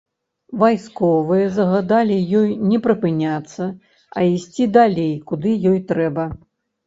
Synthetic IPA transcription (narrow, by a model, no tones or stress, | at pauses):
vajskɔvɨjɛzɐɣad̪alʲijɔjnʲɛpɾɨpɨnʲat̪sːɐ | ɐisʲt͡sʲid̪alʲejkud̪ɨjɔjt̪ɾɛbɐ